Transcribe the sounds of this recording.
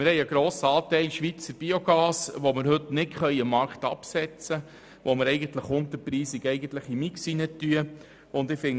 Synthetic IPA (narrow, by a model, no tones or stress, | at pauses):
mɪɾhɛɪjəɡ̥ɾoːsəɑːtɛɪlʃʋit͡səɾb̥ioɡ̥ɑːsʋomɪɾɦɵtnɪtχœjəmːɑɾkt̪ɑ̰psɛt͡sə | ʋomɪɾɛɪɡəntləχʊnt̪əpɾiːsɪɡɛjɡənt̪ləχimiksinətːyə | ʊnd̪ɪfɪŋ